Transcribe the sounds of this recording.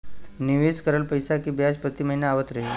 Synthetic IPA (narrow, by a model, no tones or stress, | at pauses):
niʋeskəɾəlpəjsakiːbjaspɾət̪iːməɦinjaaʋət̪ɾəɦe